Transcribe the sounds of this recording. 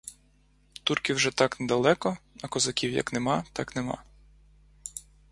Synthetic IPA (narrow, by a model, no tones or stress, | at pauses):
t̪urkʲiwʒɛt̪ɑknɛd̪ɐlˠɛkɔɐkɔzɐkʲiwjɐ̰knemɑt̪ɑknemɑ̰